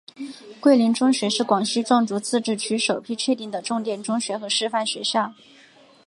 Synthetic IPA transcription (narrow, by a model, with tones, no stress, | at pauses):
kwe˥˩ɪli˧˥nʈ͡ʂʊ˥ŋɕɥɛ˧˥ʂɻ̩˥˩kwɑ˨˩ŋɕi˥ʈ͡ʂwɑ˥˩ŋʈ͡ʂu˧˥t͡sʰɹ̩˥˧ʈ͡ʂɻ̩˥˩t͡ɕʰy˧˥ʂo˨˩ʊpʰi˥˧t͡ɕʰɥɛ˥˧t̪i˥˩ŋd̪ə˩ʈ͡ʂʊ˥˧ŋt̪jɛ˥˩nʈ͡ʂʊ˥ŋɕɥɛ˧˥xɤ˧˥ʂɻ̩˥˧fa˥˩nɕɥɛ˧˥ɕjɑ˥˩ŋ